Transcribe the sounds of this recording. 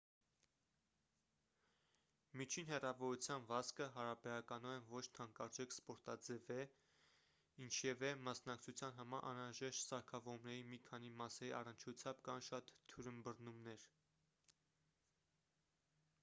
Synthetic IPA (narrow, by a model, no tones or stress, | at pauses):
mit͡ʃʰinɦɛrɑvɔɾut͡sʰjɑnvɑskəɦɑɾɑbɛɾɑkɑnuɛnvɔt͡ʃʰt̪ʰɑŋkɑɾd͡ʒɛkʰspɔɾt̪ɑd͡zɛvɛ | int͡ʃʰjɛvɛmɑsnɑk̚t͡sʰut͡sʰjɑnɦɑmɑɾʔɑ̰nɾɑʒɛʃt̪sɑɾkʰɑvɔɾumnɛɾimikʰɑn̪imɑsɛɾiʔɑ̰rənt͡ʃʰut͡sʰjɑmbkɑnʃɑt̪ʰːuɾəmbərnumnɛɾ